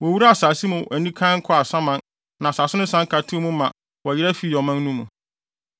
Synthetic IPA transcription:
wɔ˨wu˦ɾa˦a˦˨saː˨si˦mʊ̃˨æ˨nĩ˦kʰã˦ŋ̩˦kʰɔ˦a˨sã˦mã˨n | nã˨saː˨sɪ˦nʊ̃˦sã˦ŋ̩˦kʰa˨tʰɪ˦mũ˦mã˨ | wɔ˨jɪ˦ɾæ˦fi˨jɔ˨mã˦n˦nũ˦mũ˨

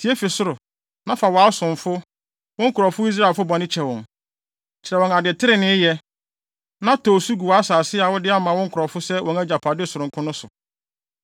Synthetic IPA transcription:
tʰi˨˦e˦fi˨sʊ˦ɾʊ˨ | nã˦fa˨wɔ˨a˦sʊ̃˨ɱfʊ˦ | wɔ̃˦ŋ̩˦kʰʊ˨ɾɔ˨fʊ˦i˦s̬ɾa˦˨fʊ˦bɔ˨nɪ̃˦t͡ɕʰɛ˨wɔ̃˨n | t͡ɕʰɪ˨ɾɛ˨wɔ̃˨ŋa˨dɪ˨ɛ˨tʰɪ˦ɾɪ˨nɪ̃˦jɛ˦ | nã˦tʰɔː˨su˦ɡu˨wa˦saː˨sɪ˦a˨wʊ˦dɪ˦a˦mã˨wɔ̃˦ŋ̩˦kʰʊ˨ɾɔ˨fʊ˦sɛ˦wʔɔ̃˨ŋæ˦d͡ʑa˨pʰa˨dɪ˦sʊ˨ʊ̃˨ŋkʰʊ̃˦nʊ̃˦sʊ˨

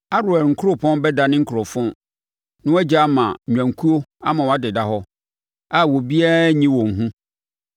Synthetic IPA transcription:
a˦ɾʊ˨ɛ˨lŋ̩˨kʰʊ˦o˦pʰɔ̃˦nbɛ˦da˨nɪ̃˦ŋ̩˦kʰʊ˨ɾɔ˨fʊ̃˦ | nɪ̃˦ɛ˦d͡ʑa˦mã˨ɲᶣã˨ŋ˨kʰu˦o˦a̰˦mã˨wɔ˨a˦dɪ˨da˦ɦɔ˦ | a˦˨wo˨bi˦a˦ɲĩ˦wɔ̃˨ŋ̩˨ɦũ˦

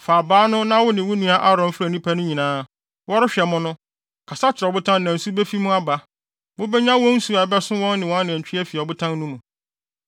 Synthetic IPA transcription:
faː˨baː˦nʊ̃˦nã˦wʊ˦nɪ̃˨wʊ˦nũ˦a˦ʔa˦ɾɔ̃˨m̩˦fɾæ˨nĩ˦pʰa˦nʊ̃˦ɲĩ˨nãː˦ | wɔ˦ɾɪ˦ɕᶣɛ˨mʊ̃˦nʊ̃˦ | kʰa˨sa˦t͡ɕʰɪ˨ɾɔ˨bʊ˦tʰã˦nnã˨n̩˨su˦bɛ˦fi˦mʊ̃˦a˦ba˦ | mʊ̃˦bɛ˦ɲã˦wɔ̃˦n̩˦su˨a˨bɛ˦sʊ̃˦wɔ̃˦nːɪ̃˨wɔ̃˦nːɪ̃˨t͡ɕᶣʰi˦ɛ˦fi˨ɔ˨bʊ˦tʰã˦nː˦ũ˦mʊ̃˨

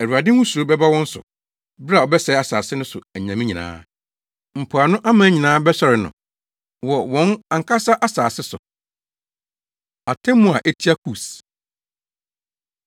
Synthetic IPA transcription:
æ˨ɾu˨a˨dɪ̃˦hũ˦su˨ɾo˦bɛ˦ba˦wɔ̃˦n̩˦sʊ̰˨ | bɾa˨ɔ˨bɛ˦sɛ˦a˨saː˨sɪ˦nʊ̃˦sʊ˨æ˨ɲ˨ã˨mĩ˦ɲĩ˨nã̰ː˦ | m̩˨pʰʊ˨a˨nʊ̃˦ʔa˦mãː˨˦ɲĩ˨nãː˦bɛ˦ɕɛ˨ɾɪ˨nʊ̰̃˨ | wɔ˨wɔ̃˦nã˨ŋ̩˨kʰa˦sa˦ʔa˦saː˨sɪ˦sʊ̰˨ | a˨tʰɛ̃˦mːʊ̃˦˨a˨ʔɛ˦tʰi˦a˦kʰu˨s

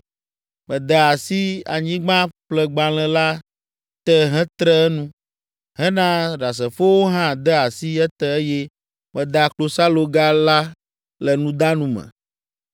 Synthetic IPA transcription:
mɛ̃˨d̪ə˨a˨si˦a̰˨ɲĩ˦ɡ͡bã˦ɸlɛ˦ɡ͡bã˨l̃ɛ̃˨la˦ | t̪ɛ˦ɦɛ̃˦t̪ɾɛ˦ɛ˦nũ˦ | ɦɛ˦nã˦ɖa˨s̬ɛ˨fo˦wo˦ɦã˦d̪ɛ˦a˨si˦ɛ˦t̪ɛ˦e˦je˦ | mɛ̃˨d̪a˨klo˨sa˦lo˨ɡa˦la˦ | lɛ˨nũ˦d̪a˦nũ˦mɛ̰̃˨

